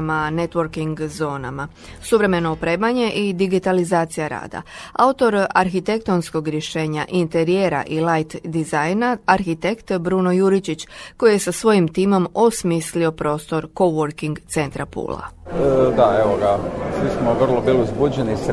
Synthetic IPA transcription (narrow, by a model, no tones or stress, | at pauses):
mane̞t̪ʋoɾkiŋɡzo̞ːna̰ma | suʋɾe̞me̞no̞upɾeːmaɲe̞ʔid̪iɡit̪alizaːt̪sijaɾa̰ːd̪a̰aut̪o̞ɾaɾxit̪e̞k̚t̪o̞nsko̞ɡɾje̞ʃe̞ːɲaʔint̪e̞ɾije̞ɾa̰ʔilajt̪d̪izajnaaɾxit̪e̞kt̪bɾuno̞juɾit͡ɕit͡ɕko̞jje̞sasʋo̞jimt̪iːmo̞mo̞smislio̞pɾo̞ːst̪o̞ɾko̞ʋoɾkiŋɡt̪se̞nt̪ɾapṵːla̰d̪aeʋoɡasʋismoʋərlˠobiːliuzbud͡ʑenis